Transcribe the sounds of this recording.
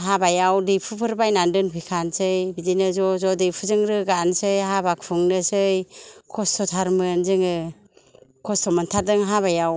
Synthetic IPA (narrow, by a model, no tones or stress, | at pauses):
ɦabajawdɯjpʰɯpʰɯɾbajnandɯnpʰɯjkʰansɯjbidinɯzɔzɔdɯjpʰuzɯŋɾɯɡansɯjɦabak̚pʰuŋnɯsɯjkʰɔstʰɔtʰaɾmɯnzɯŋɯ | kʰɔstʰɔmɯntʰadɯŋɦaβajaw